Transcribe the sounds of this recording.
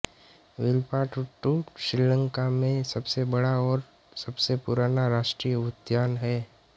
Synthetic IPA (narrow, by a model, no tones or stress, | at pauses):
ʋɪlpaːʈuʈːuʃɾilə̃ŋkamẽsɐbsebəɽaɔːɾ | sɐbsepʊɾaːnaɾaːʃʈɾijəʊt̪jaːnɦɛː